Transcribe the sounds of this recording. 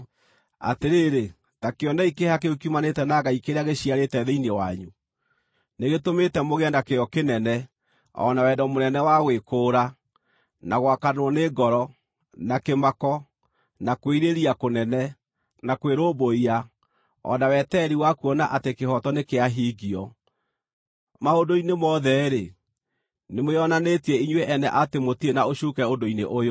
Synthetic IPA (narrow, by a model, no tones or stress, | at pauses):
a̰teɾeːɾe | takeɔnaikehakeokumanetɛnaɣaikeɾeaɣeɕiaɾetɛðeinewaɲu | neɣetometɛmoɣeɛndakejɔkenɛnɛ | ɔ̰nawɛdɔmonɛnɛwaɣwekoːɾa | naɣwakanwɔneɡɔɾɔ | nakemakɔ | nakweiɾeɾiakonɛnɛ | nakweɾoboia | ɔ̰nawɛtɛɾiwakuɔnaʔatekehɔtɔnekeaɦiɡiɔ | maondoinemɔðɛɾe | nemojɔnanetiɛiɲweʔɛnɛʔatemotienaoɕukɛondoinḛʔojo